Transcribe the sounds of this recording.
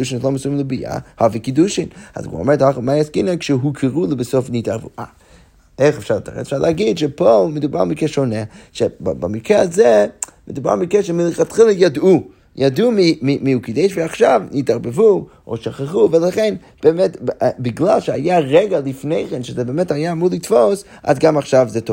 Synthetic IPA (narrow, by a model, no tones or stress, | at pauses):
duʃɪnlˠɔməsumlˠɪbija̰hɔvikɪduʃɪna̰zɡṵɔ̰mɛthɔχmaɪaskɪnakʃɛɦukʰəɾulˠɪbɪsofnitaɾvṵʔa | eχəfʃata̰ɾɛ̰tfʃataɡɪdʃɛpɔlˠmɪduba̰lmɪkɛʃonɛʃɛbbamikɛazɛmɪduba̰ʁmɪkɛʃɛmilˠɪχatχɪlˠəjadu | jadumimimiukɪdɛɪʃviaχʃavnitaʁbəvu | o̰ʃaχaχuvɛlˠaχɛn | b̥ɛmɛtbɪɡlˠalˠʃɛa̰jaʁɛɡalˠɪfneɪχɛnʃɛzɛbɛmɛthajamulˠɪtfos | a̰sɡamaχʃavzɛtʰɔv